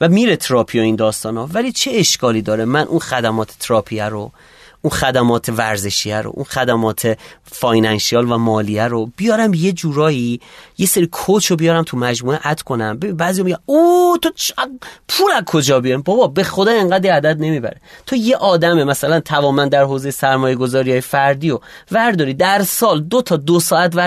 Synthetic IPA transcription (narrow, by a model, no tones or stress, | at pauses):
væmiːɾet̪ʰɾɒːpʰioiːnd̪ɒːst̪ɒːnɒvæliːt͡ʃʰeeʃkʰɒːliːd̪ɒːɾemænʔunxæd̪æmɒːt̪ʰe̥t̪ʰɾɒːpʰiæɾo | unxæd̪æmɒːt̪ʰe̞væɾze̞ʃiæɾo̰ʔṵnxæd̪æmɒːt̪ʰefɒjnænʃiɑːlvæmɒːliæɾob̥ijɒːɾæmje̞d͡ʒuːɾɒːjije̞seɾikʰot͡ʃʰobijɒːɾæmt̪ʰumæd͡ʒmuːeʔæt̪ʰkʰo̞næmbebinbæːzijɒːmiɟʲæmut̪ʰot͡ʃpʰuɾæzkʰo̞d͡ʒɒːbijɒimbɒbɒbe̞xo̞d̪ɒːeŋɢæːd̪ɾiæd̪æd̪ne̞miːbæ̰ɾet̪ʰoje̞ʔɒːd̪æmemæsælænt̪ʰævɒːmænd̪æɾɦoːze̞jesæɾmɒːje̞ɡo̞zɒːɾijɒːjefæɾd̪iːovæɾd̪ɒːɾiːd̪æɾsɒːld̪ot̪ʰɒːd̪osɒːæt̪væ